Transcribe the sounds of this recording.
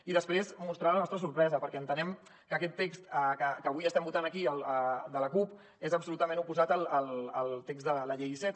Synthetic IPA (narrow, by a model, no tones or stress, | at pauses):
iðəspɾezmust̪ɾalənɔst̪ɾəsuɾpɾɛzəpəɾkɛənt̪ənɛm | kəkɛt̪ːekst̪əkəkəβujəst̪ɛmbut̪anəkiəlˠəd̪ələkup | ezəpsulut̪əmẽnupuzat̪əlˠəlˠəlˠt̪ekzðələʎejsɛt̪